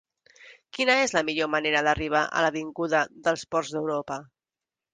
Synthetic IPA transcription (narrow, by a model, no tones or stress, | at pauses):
kinəezləmiʎoməneɾəðəriβ̞aʔə̰ləβiŋɡuðəðəlˠspɔɾrzðəwɾopə